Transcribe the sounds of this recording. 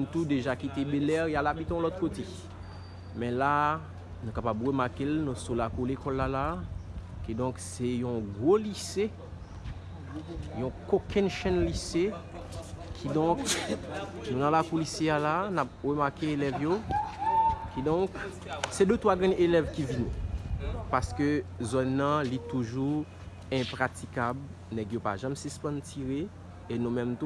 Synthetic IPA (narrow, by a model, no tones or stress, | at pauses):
nt̪ud̪eʒakit̪ebelɛʁjalabit̪ɔ̃lɔt̪kot̪e | mɛ̃la | nũkapabʁəmaʁkelnũsulakulekɔlːala | kid̪ɔ̃ksɛjɔ̃ɡʁolise | jɔ̃kokʰɛ̃nʃɛ̃nlise | kʰid̪ɔ̃k | nũnãlakulisealanap̚ʁømaʁkeelɛvjo | kid̪ɔ̃k | sɛd̪øt̪waɡɛ̃ʔelɛvkivini | paʁskøzɔnːʌ̃lit̪uʒu | ɛ̃pʁatikab | nɛɡjopa̰ʒãmsĩspãntʰiʁe | enũmɛ̃mt̪